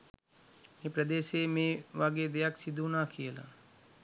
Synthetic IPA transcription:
epɾəd̪eːʃeːmẽːʋaɡeːd̪ejaksid̪ʱuːnaːkijəla̰

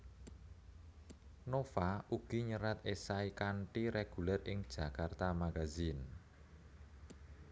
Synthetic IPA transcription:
nofaʔuɡ̥iɲəɾat̪esaikaɳʈiɾeɡ̥ulɛrɪŋd̥ʒ̥ä̤kart̪amaɡazin

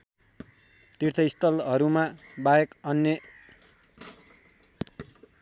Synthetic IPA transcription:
t̪irt̪ʰʌist̪ʌlɦʌɾumabajekʌnːjʌ

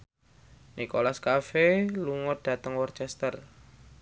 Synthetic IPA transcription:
nʔikolaskafeluŋət̪̚d̥a̤t̪əŋwɔrt͡ʃɛst̪ər

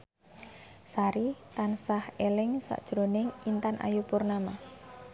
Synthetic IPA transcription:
saɾit̪ansahelɪŋsa̰ʔd̥ʒ̥ɾonɪŋint̪anʔa̰jupʊrnama

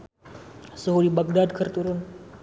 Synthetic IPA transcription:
səɦudibak̚dad̪kʰərt̪uɾʊn

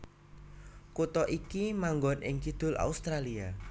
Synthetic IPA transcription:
kut̪ɔʔikimaŋɡɔnʔɪ̰ŋkid̪̥ʊ̤la̰ust̪ɾalia

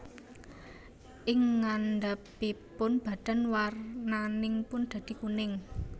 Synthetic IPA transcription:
ʔɪŋːand̪apipʊnb̥a̤d̪̥a̤nwarnanɪŋpʊnd̪̥ä̤d̪̥i̤kunɪŋ

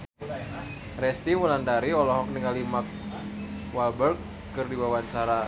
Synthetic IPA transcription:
rɛst̪imulandaɾiɔlɔɦɔk̚niŋalimak̚ | walbərkː | ɨrdiwawaɲt͡ʃaɾa

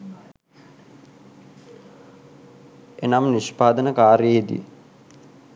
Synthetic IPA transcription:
enamniʃpaːd̪ənəkaːɾeid̪ḭ

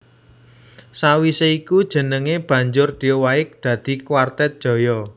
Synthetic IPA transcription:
sawiseikud̥ʒ̥ə̤nəŋeb̥ä̤ɲd͡ʒʊrd̪̥iowaɪk̚d̪̥ä̤d̪̥i̤kwart̪ɛt̪̚d̥ʒ̥ɔ̤jɔ

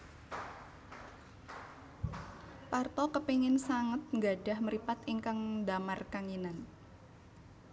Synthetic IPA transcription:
part̪ɔkəpeŋɪnsaŋət̪̚ŋɡaɖahməɾipat̪iŋkaŋdamarkaŋinan

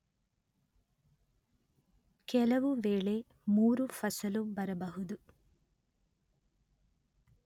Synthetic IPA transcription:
kɛlɐʋuʋeːɭe̞ | muːɾufɐsɐlubɐɾɐbɐɦud̪u

